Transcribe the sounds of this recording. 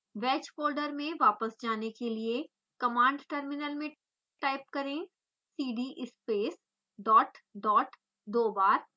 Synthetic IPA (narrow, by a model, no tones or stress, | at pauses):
ʋɛːt͡ʃfoːlɖəɾmẽʋaːpəsd͡ʒaːnekelie | kɐmãːɳɖʈəɾmɪnəlmẽ | ʈaːɪp̚kɐɾẽ | siːɖiʔɪspeːs | ɖɔːʈɖɔːʈ | d̪oːbaːɾ